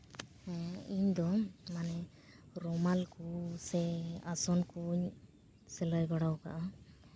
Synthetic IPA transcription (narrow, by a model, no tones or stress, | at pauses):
iɲd̪ɔmanɛ | ɾɔmalkusɛasɔnkuɲ | sɛlajbaɽawka̰ʔa